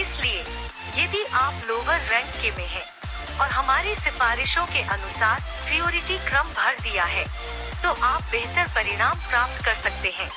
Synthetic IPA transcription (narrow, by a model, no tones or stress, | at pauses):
ɪslie | jɐd̪ʱiʔaːploːʋəɾːɛ̃ʈkemẽɦɛ̃ː | ɔːɾɦɐmaːɾisɪfaːɾɪʃõkeʔɐnʊsaːɾ | pɾijoːɾɪʈikɾɐmbʱɐɾd̪ijaɦɛː | t̪oːʔaːp̚beːɦt̪əɾpɐɾɪɽ̃aːmpɾaːp̚t̪kɐɾsɐk̚t̪eɦɛ̃ː